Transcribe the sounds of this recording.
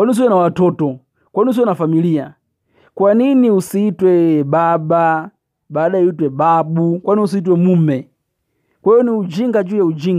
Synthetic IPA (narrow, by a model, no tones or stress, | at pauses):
kwanius̬iwɛnawatɔtɔ | kwaninus̬iwɛnafamilija | kwaniniusiitwɛɓaɓa | ɓaːɗajitwɛɓaɓukwaniniusiit̬wɛmuːmɛ | kwɛjɔniud͡ʒiŋɡad͡ʒujaud͡ʒiŋ